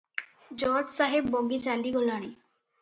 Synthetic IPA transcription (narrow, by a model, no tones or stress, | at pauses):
d͡ʑɔɾdsaɦebːoɡit͡ɕaliɡolaɽ̃i